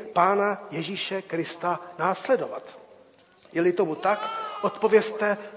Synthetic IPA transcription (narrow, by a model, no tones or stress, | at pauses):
paːnajɛʒiːʃɛkɾɪst̪anaːslɛdo̞vat̪ | jɛlɪt̪omut̪akʔot̪po̞vjɛst̪ɛ